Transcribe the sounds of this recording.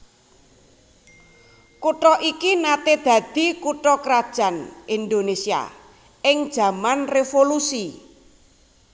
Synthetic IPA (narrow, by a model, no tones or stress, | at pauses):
kuʈɔʔikinat̪ed̪̥ä̤d̪̥i̤kuʈɾɔkɾad̥ʒ̥a̤nʔind̪onesia̰ | ɪŋd̥ʒ̥a̤manrefolusi